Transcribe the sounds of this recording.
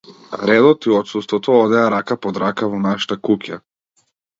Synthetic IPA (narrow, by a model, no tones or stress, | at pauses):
ɾɛd̪ɔt̪iɔt̪sust̪vɔt̪ɔɔd̪ɛaɾakapɔd̪ɾakavɔnaʃḁt̪akuka